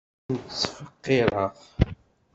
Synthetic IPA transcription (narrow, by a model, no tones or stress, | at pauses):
nt͡sːfəqːɪɾˤəʁ